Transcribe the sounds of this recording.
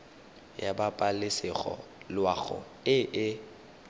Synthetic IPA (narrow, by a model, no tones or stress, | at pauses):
jabapʼalɪsɪɣɔ̰lwaɣʊ̰ | ɪʔɪ